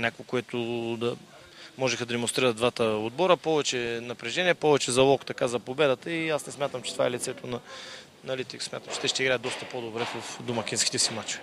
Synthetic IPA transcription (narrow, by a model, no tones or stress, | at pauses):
nʲakʊɪkʊɛt̪ʊd̪ɐ | mɔʒɛxəd̪ɐd̪ɛmonst̪ɾiɾɐt̪̚d̪vat̪əod̪̚bɔɾəpɔvɛt͡ʃɛnɐpɾɛʒɛniɛpɔvɛt͡ʃɛzɐlˠɔkt̪ɐkazɐpobɛd̪ət̪əiasnɛsmʲat̪əmt͡ʃɛ̥t̪ova̰ɛlit̪sɛt̪onɐ | nɐlit̪iksmʲjat̪əmt͡ʃɛ̥t̪ɛʃt̪ɛiɡɾajəd̪ɔst̪ɐpod̪obɾɛvəfd̪omɐkʲinskit̪ɛsimat͡ʃovɛ